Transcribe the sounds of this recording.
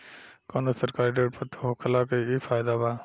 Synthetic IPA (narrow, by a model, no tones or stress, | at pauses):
koːnosəɾkaːɾiɖeːʈ̚pət̪ʰoɦoːkʰəlaːkeiːfaːjɪd̪aːbaː